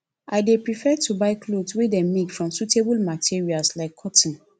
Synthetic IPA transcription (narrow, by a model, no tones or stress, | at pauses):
aɪdepɹifɛtʰubaɪkʰlodswedɛmekfɹɔ̃msutebulmatʰiɹialslaɪkʰːɔtn̩